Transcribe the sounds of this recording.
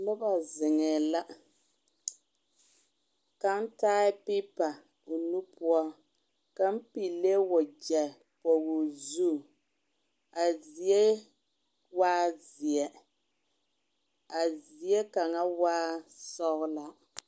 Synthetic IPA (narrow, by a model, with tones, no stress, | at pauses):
nʊ˦ba˨zɪ˨ŋɛ˨la˦ | ka˦n̩˦taː˦ɪ˦pi˦pa˨ | o˨nu˦pʊ˦ɔ˦ | ka˨m̩˦pi˨le˦wɔ˨d͡ʒɛ˨ | po˨ɡu˨zu˦˨ | a˨zi˨ɛ˦ | waː˦zi˨ɛ˨ | a˨zi˨˦ɛ˦ka˨ŋa˦waː˦sɔ˦ɣʊ˦la˦